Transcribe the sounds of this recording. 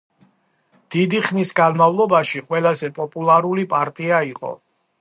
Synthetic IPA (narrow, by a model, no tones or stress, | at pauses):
d̪̥id̪iχnisɡanmavlˠɔbaʃiqʼwɛlazɛpʼɔpʼulˠaɾulipʼaɾt̪ʼiaiqʼɔ̰